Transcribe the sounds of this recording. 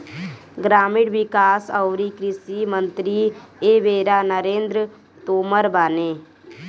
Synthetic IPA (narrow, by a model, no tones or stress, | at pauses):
ɡɾaːmɪɽʋɪkaːsəʊɾikɾɪsimə̃nt̪ɾieːʋeːɾaːnəɾeːnd̪ɾə | t̪oːməɾbaːneː